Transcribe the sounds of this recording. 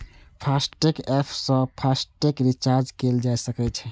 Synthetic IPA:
pʰasʈekepʰsə̃pʰasʈekɾit͡ʃaɾd͡ʒkeld͡ʒajsəkɛt͡ʃʰɛ

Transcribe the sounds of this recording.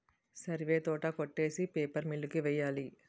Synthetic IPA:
sɐɾʋeːt̪ɔːʈɐkoʈːeːsipeːpɐɾmiɭːukiʋɛjːaːli

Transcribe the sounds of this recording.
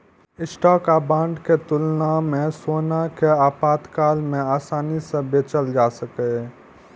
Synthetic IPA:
ɪsʈaːkaːbãːɳɖket̪ʊlnamẽsoːnakeaːpaːt̪kaːlmẽaːsaːnisẽbeːt͡ʃəld͡ʒaːsəke

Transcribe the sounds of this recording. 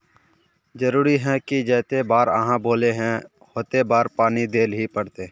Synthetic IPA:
d͡ʒəɾuːɾiɦɛ̃kid͡ʒɛːt̪ebaːɾə̰ɦãboːleɦɛ̃ | hoːt̪ebaːɾpaːnid̪eːlɦipəɽt̪eː

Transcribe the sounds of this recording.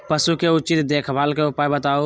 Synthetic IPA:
pəsuːkeːʊt͡ʃiːt̪d̪eːkʰbaːlkeʊpaːebət̪aːoː

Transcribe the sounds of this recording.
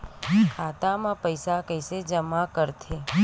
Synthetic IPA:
kʰat̪amãpəjsakəjsed͡ʒəmakəɾt̪ʰe

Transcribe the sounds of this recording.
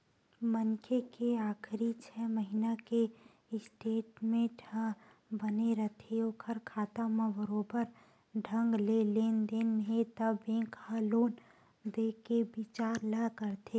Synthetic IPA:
mənkekeaːkʰɾit͡ʃʰɛːməɦinake | ɪsʈeːʈmẽɖʱʰə̃ | bəneɾət̪ʰeɔːkʰɐɾkʰaːt̪amẽbəɾoːbəɾ | ɖʱə̃ŋɡleleːnd̪eːnɦet̪əbẽːkhaloːn | d̪eːkebɪt͡ʃaːɾləkəɾt̪ʰe

